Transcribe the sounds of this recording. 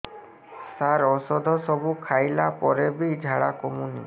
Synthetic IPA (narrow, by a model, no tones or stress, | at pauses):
saɾɔsɔd̪ʱɔsɔbukʰajlapɔɾebid͡ʒʱaɽakɔmunḭ